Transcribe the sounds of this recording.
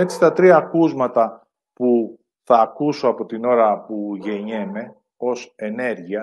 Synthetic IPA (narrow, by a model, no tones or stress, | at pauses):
e̞t͡si̥t̪ɐt̪ɾiɐːkuzmɐt̪ɐ | pu | θɐːkusoɐpo̞t̪ino̞ɾɐpuʝe̞ɲeme̞ | o̞se̞ne̞ɾʝiɐ